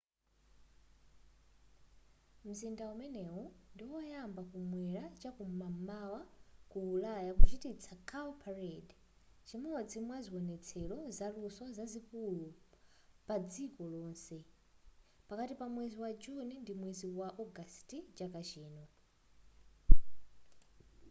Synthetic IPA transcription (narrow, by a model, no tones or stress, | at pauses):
m̩zindaumɛnɛwɔndiwɔjambakumwɛɾat͡ʃakumamawakuːlajakut͡ʃitit͡sʰakʰawpʰaɾɛd | t͡ʃimɔɔd͡zimwaziwɔnɛt͡sʰɛlɔzaluswɔzazikulu | pad͡zikɔlɔːnsɛ | pakatipamwɛziwad͡ʒunindimwɛziwaʔɔɡastit͡ʃakat͡ʃɛːnɔ